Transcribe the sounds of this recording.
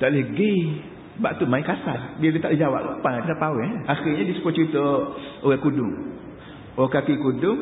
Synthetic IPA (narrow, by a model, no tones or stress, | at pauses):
t̪aʔləhɡi | baʔt̪umaikasalbilət̪aʔləhd͡ʒawa̰ʔapãt̪it̪apawɛhaxiɲadisə̥pɔt͡ʃəɾit̪əoɣɛkudʊŋ | oakakikudʊŋ